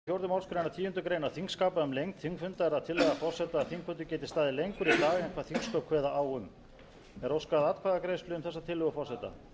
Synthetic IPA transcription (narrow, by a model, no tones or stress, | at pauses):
θjowɾðʏmawlskɾejnat̪ʰiːjʏnt̪ʏkɾeːjnaθiŋkskaːpaʏmlejŋkt̪θiŋkfʏnt̪aɛɾaðt̪ʰɪlːɛɣafɔr̥sɛt̪aːðθiŋkfʏnt̪ʏcɛːt̪ɪ̥st̪aːðɪlejŋkʏɾit̪aːɣɪɛnkʰv̥aːðθiŋsk̪œkʰvɛːðaʔaːwʏm | ɛɾowskaðat̪̚kʰvaðakɾejst̪lʏʏmθɛsːat̪ʰɪlːʏɣʏfɔr̥sɛt̪a̰